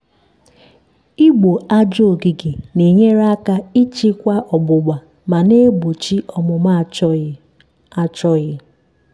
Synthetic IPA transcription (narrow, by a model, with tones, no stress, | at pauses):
i˦ɡ͡bo˨a˦d͡ʒo˦˨ɡi˨ɡɪ˨ni˨ɲe˦ɾa˦ka˦i˦t͡ʃi˦kʷa˦ʔɔ˨ɡ͡bʊ˨ɡ͡ba˨ | ma˨ne˦bo˨t͡ʃi˦ɔ˨mʊ˨m˦ | t͡ʃɔ˦jɪ˦